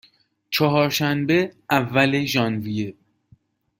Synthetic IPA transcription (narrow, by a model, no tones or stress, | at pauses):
t͡ʃʰɒɦɒːɾʃænbe̞ʔævːæle̞ʒɒːnvije